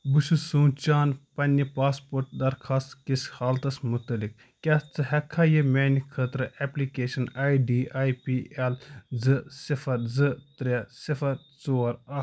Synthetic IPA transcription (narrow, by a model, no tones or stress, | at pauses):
buʃusuːt͡ʃaːnpɐnʲipaːspoːɾʈ̚d̪ɐɾkʰaːst̪kishaːlt̪ɐsmut̪ɐlik | kʲat͡sɨɦɐkʰːaːjemʲeːnikʰət̪ɾɐʔeplikeːʃɐnaːjɖiːaːjpiːelzɨsifɐɾzɨt̪ɾʲesifɐɾt͡soːɐɾɐ